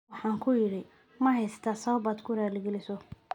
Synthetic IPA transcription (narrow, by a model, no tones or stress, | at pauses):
wɑħɑːŋkʰʊjɪɽɪ | mɐɦɛjst̪ʰasɐβɐbaːd̪kʰʊɾaːlɪɡɛlɪsɔ